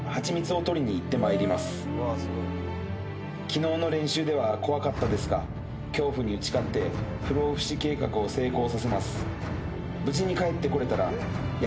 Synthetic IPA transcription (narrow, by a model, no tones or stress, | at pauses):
hat͡ɕimʲit͡sɨo̞t̪o̞ɾʲiɲ̟iːt̪ːe̞maeɾʲimasɨ̥ | kʲino̞ːno̞ɾẽ̞ɰ̃ɕɨːd̪e̞β̞ako̞βakat̪ːad̪e̞sɨɡa̰ | kʲo̞ːɸɯ̟ɲ̟iɯ̟t͡ɕi̥kat̪ːe̞ | ɸɯ̟ɾo̞ːɸɯ̟̥ɕike̞ːkakɯ̟o̞se̞ːko̞ːsase̞masɨ̥ | bɯ̟ʑiɲ̟ikae̞t̪ːe̞ko̞ɾe̞t̪aɾa | j